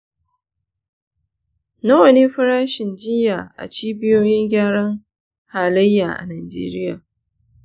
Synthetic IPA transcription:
na˦wɐ˨neː˦ɸɪ˦ɾaː˦ʃɪ˨nd͡ʒɪ˦jːaː˨ʔa̰˨t͡ʃiː˦bɪ˦joː˦jɪ˦ŋɡʲaː˦ɽɐ˦ŋ | haː˨lɐ˦jːaː˨ʔa̰˨naː˨d͡ʒḛː˦ɾɪ˦jaː˨

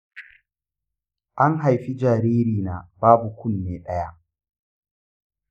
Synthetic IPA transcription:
ʔa˦ŋɦa˨jɸi˦d͡ʒaː˨ɾiː˦ɾiː˨naː˨b̥aː˦bu˨kʷʊ˦nːeː˨ɗɐ˦ja˦ʔ

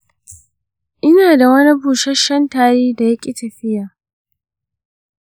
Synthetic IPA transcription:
ʔɪ˦naː˨da˨wɐ˦ni˦ɸuː˨ʃɛ˦ʃɐ˦ntaː˨ɾeː˦da˨jɐ˦kʲʼi˨tɐ˨ɸɪ˦jaː˨

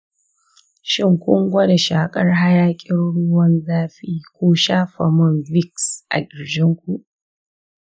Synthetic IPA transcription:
ʃɪ˦ŋkʷʊ˦ŋɡʷɐ˦de˨ʃaː˨kʼɐ˦rɦa˦jaː˦kʲʼɪ˦nɽʊ˦wɐ˦nzaː˦ɸiː˦kʷoː˦ʃaː˦ɸa˨mʊ˦˨nvɪ˦˨ksʔa̰˨ɡʲɪ˨ɾd͡ʒɪ˦ŋkʷu˨ʔ

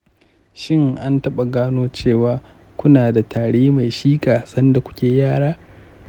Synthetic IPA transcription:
ʃɪ˦ŋʔa˦ntɐ˦ɓa˨ɡaː˦noː˦t͡ʃeː˦˨waː˨ | kʷʊ˦naː˨da˨tʰaː˨ɽeː˦ma˨jʃiː˦kʼaː˨sɐ˦nda˨kʷʊ̥˦kʲeː˨jaː˦˨ɽaː˦

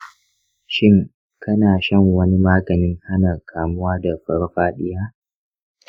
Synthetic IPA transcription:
ʃɪ˦ŋ | kʰɐ˦naː˨ʃɐ˦˨ŋwɐ˦ni˦maː˦ɡɐ˨nɪ˦ŋha˦nɐ˨kʰaː˨mʊ˦waː˦da˨ɸɐ˦ɽɸaː˦ɗɪ˦jaː˦

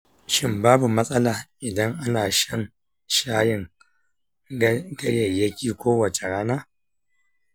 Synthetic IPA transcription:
ʃɪ˦mbaː˦bu˨mɐ˦sʼɐ˦laː˨ʔɪ˨dɐ˦ŋʔa˦naː˨ʃɐ˦n | ʃaː˦jɪ˨ŋ | ɡɐ˦jɐ˨jɐ˦kʲiː˨kʷoː˦wɐ˨t͡ʃe˨ɽaː˦naː˦

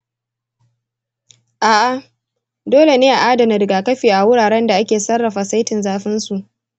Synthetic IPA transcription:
ʔaː˨ʔa˨ | doː˦le˨neː˦ʔa˨ʔaː˦dɐ˨nɪ˨ɾɪ˨ɡaː˨kɐ˦ɸiː˨ʔa˨wʊ˦ɽaː˨ɽɛ˦nda˨ʔa˦kʲeː˨sɐ˦rːɐ˨ɸaː˨sa˦jtɪ˨nzaː˦ɸɪ˦nsu˨ʔ

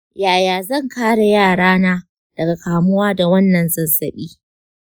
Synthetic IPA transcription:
jaː˨jaː˨zɐ˦˨ŋkaː˦ɽa˨jaː˦˨ɽaː˦naː˦ | d̥ɐ˨ɡa˨kaː˨mʊ˦waː˦da˨wɐ˦nːɐ˨nzɐ˨nsɐ˨ɓiː˦

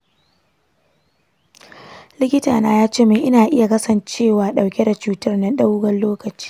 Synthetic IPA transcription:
lɪ˦kʲɪ˦taː˨naː˦jaː˦t͡ʃeː˦meː˨ʔɪ˦naː˨ʔɪ˦ja˨kɐ˦sɐ˨nt͡ʃeː˦˨waː˨ɗa˨wkʲe˦da˨t͡ʃuː˦tɐ˦rna˦nɗa˦wɡɐ˦nloː˦kɐ˨t͡ʃi̥ː˦

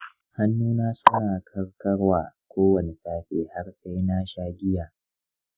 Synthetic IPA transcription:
ha˦nːuː˦naː˦sʊ˦naː˨kʰɐ˦rkɐ˦ɽwaː˨kʷoː˦wɐ˨ne˨saː˦ɸʲeː˨ha˦ɽsa˦jna˦ʃaː˦ɡʲɪ˦jaː˨

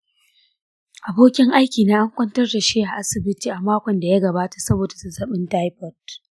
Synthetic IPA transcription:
ʔa˨boː˦kʲɪ˦ŋʔa˦jkʲiː˨naː˦ʔa˦ŋkʷɐ˦ntɐ˦rda˨ʃeː˦ha˨ʔa˦sɪ˨bɪ˦tiː˨ʔa˨maː˦kʷɔ˨nda˨ja˦ɡɐ˨baː˦tḁ˨sɐ˦boː˨da˨sɐ˨zɐ˦ɓɪ˦nta˦jɸɔ˦˨t̚

